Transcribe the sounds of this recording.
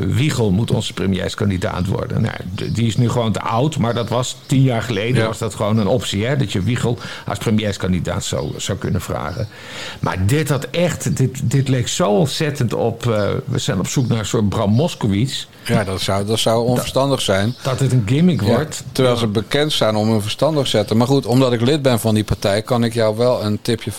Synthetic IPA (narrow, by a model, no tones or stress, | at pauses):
ʋiχəlˠmutɔ̰nz̥ə̥prəmjɛ̰skɑndida̰ːtʋɔ̰ɹdə̰nːa̰ja̰diɪsnyχəʋowntə̰ʔʌwtmaːɹdɑtʋɑstinjaːɹχəlejdəʋɑzdɑtχəʋownənɔpsiɛdɑtjəʋiχəlˠʔɑ̰sprəmjɛskɑndida̰ːtsa̰wz̥awkɵnənv̥ra̰ːχən | mʔa̰ːɹdɪtɦɑtɛχtdɪtdɪtlejktsowɔnsɛtəntɔ̰pʋə̰z̥ɛjnɔpsuknaːɹənsʊːt̚brɑmɔskowis | jadɔtswdɔtsawɔnvəɹstɑndəχsɛjndɑtətənɡɪmɪkʋɹttəɹʋɛjlˠzəbəkɛntsɛjnɔmønvərstɑndəχsɛtəmaɹχutɔmdɑtɪklɪt̚bɛnvɑndipaɹtɛjkɑnɪkjɔwʋɛlˠəntɪpjə